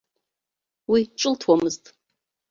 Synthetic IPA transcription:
wiʈ͡ʂʼɨltʰwamɨztʼ

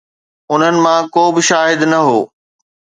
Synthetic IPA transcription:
ʊn̤ənɪ̆mãkoːbɪʃaːɦɪd̪nɐɦoː

